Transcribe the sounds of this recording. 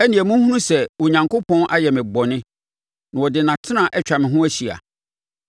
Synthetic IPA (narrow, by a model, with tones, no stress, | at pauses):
ɛ˦nĩ˨ɛ˨mũ˦hũ˦nũ˦sɛ˨wo˨ɲã˨ŋko˦pʰɔ̃˦nʔa̰˦jɛ˨mɪ̃˨bɔ˨nɪ̃˦ | nã˨wɔ˨dɪ˨nã˨tʰɪ˦nã˨ʔɛ˦t͡ɕᶣa˨mɪ̃˨ɦʊ̃˦æ˦ɕi˨a̰˨